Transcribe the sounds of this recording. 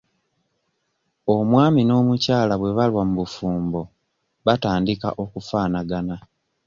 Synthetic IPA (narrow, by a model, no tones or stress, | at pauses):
o̞mwaːmino̞ːmucaːlaβwe̞βalwamuβufuːmbo̞ | βataːndika̰ʔo̞kufaːnaɡana